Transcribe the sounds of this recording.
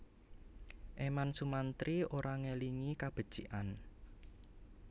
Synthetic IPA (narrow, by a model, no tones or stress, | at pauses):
ʔemansumant̪ɾioɾʔaŋeliŋikab̥ə̤d̥ʒ̥iʔan